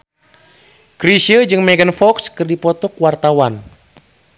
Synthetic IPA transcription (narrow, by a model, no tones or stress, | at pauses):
kɾisiəd͡ʒɨŋmɛɡənfɔkskɨrdipɔt̪ɔkwart̪awan